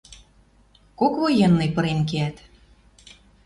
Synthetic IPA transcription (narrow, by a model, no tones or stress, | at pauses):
kokβojenːɤjpɤ̆ɾenkeæt̪